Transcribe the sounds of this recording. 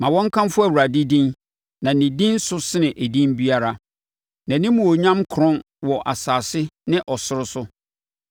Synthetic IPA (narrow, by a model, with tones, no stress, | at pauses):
mã˨wɔ̃˦ŋ̩˦kʰã˦mfʊ˦æ˨wu˨ɾa˨dɪ˦dĩ˦n | nã˨nɪ̃˨dĩ˦n˦sʊ˦sɪ˦nɪ̃˨ʔæ˨dĩ˦nbi˦a˦ɾa˨ | nã˨nɪ̃˦mũ˨ɔ˨ɲã˦mkʰɾʊ̃˦n | wɔ˨ʔa̰˨saː˨sɪ˦nɪ̃˦ʔɔ˨sʊ˦ɾʊ˦sʊ˦